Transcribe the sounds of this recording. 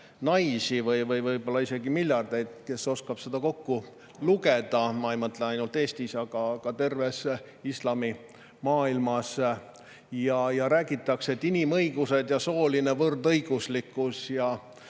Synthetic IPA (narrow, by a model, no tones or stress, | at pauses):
nɑjsivɤjvɤjvɤjbo̞lːɑise̞ɡ̥imilʲjɑrd̪̥e̞jd̪̥̚ke̞so̞skɑb̥sed̪̥ɑko̞kːu | luke̞d̪̥ɑmɑjmɤt̪lenɑjnult̪e̞ːst̪isɑɡɑkɑt̪e̞rve̞s | islɑmi | mɑːilmɑs | jɑjɑɾæːɡ̥it̪ːˑɑkseet̪ːinimɤjɡ̥use̞d̪̥jɑso̞ːlinevɤrd̪ɤjɡ̥uslikːˑusjɑ